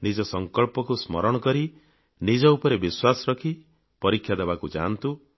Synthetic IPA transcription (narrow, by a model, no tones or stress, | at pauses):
nid͡ʒɔsɔŋkɔɭpɔkusmɔ̰ɾɔɽ̃ɔkɔɾi | nid͡ʒɔupɔɾebiswasɔɾɔkʰi | pɔɾikʰjad̪ebakud͡ʒa̰nt̪u